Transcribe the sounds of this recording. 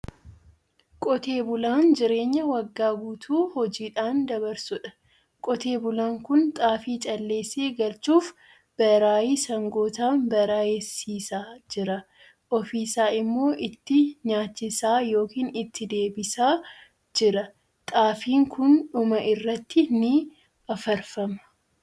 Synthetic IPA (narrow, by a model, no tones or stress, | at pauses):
kʼɔt̪eːbʊlaːnd͡ʒɪɾe̞ːɲːɐwɐɡːaːbuːt̪ʰuːhɔd͡ʒiːᶑaːnd̪ɐbɐɾsʊᶑɐ̥ | kʼɔt̪e̞ːbʊlaːŋkʊnt̪ʼaːfiːt͡ʃʼɐlːe̞ːse̞ːɡɐlt͡ʃuːf | b̥ɐɾaːjiːsɐŋɡoːt̪aːnbɐɾaːjɛsiːsaːd͡ʒɪɾɐ | ʔɔfiːsaːɪmːo̞ːʔɪt̪ːɪɲaːt͡ʃːɪsaːjo̞ːkiːnɪt̪ʰːɪd̪e̞ːbɪsaː | d͡ʒɪɾɐ | t̪ʼaːfiːŋkʊnᶑʊmɐʔɪrːɐt̪ːɪnɪ | ɐfɐɾfɐmɐ̥